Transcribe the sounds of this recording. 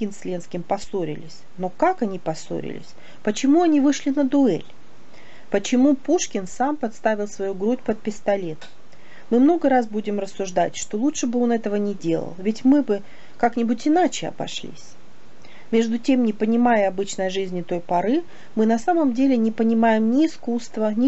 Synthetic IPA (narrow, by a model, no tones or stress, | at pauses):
ɡʲɪnsʲlʲenskʲɪmpɐso̞ɾʲɪ̰lʲɪsʲno̞kakɐnʲipɐso̰ɾʲɪ̰lʲɪ̰sʲ | pət͡ɕɪmuɐnʲivɨʂlʲɪnəd̪ʊɛ̰lʲ | pət͡ɕɪmupuʂkʲɪnsampɐt̪st̪avʲɪlˠsvɐjuɡɾutʲpət̪̚pʲɪst̪ɐlʲe̞t̪ | mɨmno̞ɡəɾas̬budʲɪmrəsːʊʐd̪atʲʂt̪o̞lˠutʂɨbɨo̞nɛt̪əvənʲɪdʲe̞lˠə̰lˠvʲɪtʲmɨbɨ | kaknʲɪbʊtʲɪnat͡ɕɪɐ̰bɐ̰ʂlʲḭsʲ | mʲe̞ʐd̪ʊtʲe̞mnʲɪpənʲɪmajəɐbɨt͡ɕnəjʐɨzʲnʲɪt̪o̞jpɐɾɨ | mɨnɐsaməmdʲelʲɪnʲɪpənʲɪmajɪmnʲɪːskust̪vənʲɪ